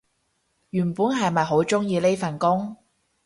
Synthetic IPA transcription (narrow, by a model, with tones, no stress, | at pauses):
jyː˨˩npuː˨˥nɦɐ˨jmɐ˨jɦo˨˥wt͡sʊ˥ŋjiː˧le˥jfɐ˨nkʊ˥ŋ